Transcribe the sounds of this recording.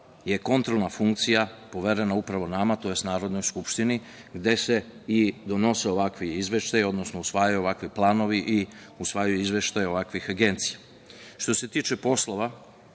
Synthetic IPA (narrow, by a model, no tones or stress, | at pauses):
je̞ko̞nt̪ɾolˠnafuŋkt̪sijapo̞ʋeɾe̞naupɾaʋo̞namat̪o̞je̞st̪naːɾo̞d̪no̞jskupʃt̪ini | ɡd̪e̞se̞id̪o̞no̞seo̞ʋakʋiizʋe̞ʃt̪ajo̞d̪no̞snousʋaːjujuoʋakʋiplˠaːno̞ʋiʔi | usʋaːjujuizʋe̞ʃt̪ajo̞ʋakʋixaɡe̞nt̪sija | ʃt̪o̞se̞t̪iːt͡ʃepo̞slˠo̞ʋa